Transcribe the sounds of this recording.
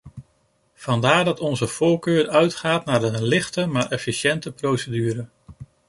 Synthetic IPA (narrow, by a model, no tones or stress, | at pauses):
v̥ɑndaːɹdɑtɔnzəv̥ʊːɹkøːɹœɥtχaːtnaːɹənlɪχtəmaːɹʔɛfiʃɛntəprowsədyːɾə